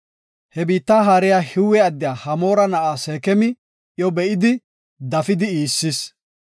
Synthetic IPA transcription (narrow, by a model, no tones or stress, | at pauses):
hɛbiːt̪ːaːɦaːɾɪjaːhɪwɛɐd̪ːɪjaːhɐmo̞ːɾɐnɐʔaːseːkɛmɪ | jɔbɛʔɪd̪ɪ | d̪ɐfɪd̪ɪiːsːɪs